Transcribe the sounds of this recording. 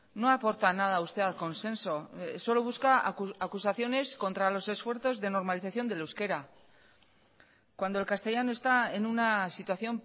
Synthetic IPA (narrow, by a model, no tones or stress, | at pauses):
no̞apo̞ɾt̪anað̞aust̪e̞alko̞nse̞nso̞so̞lo̞βuskaːkusaθjo̞ne̞sko̞nt̪ɾalo̞se̞sfwe̞ɾθo̞zðe̞no̞ɾmaliθaθjo̞nd̪eluske̞ɾa | kwand̪o̞e̞lkast̪e̞ʝano̞e̞st̪ae̞nunasit̪waθjo̞m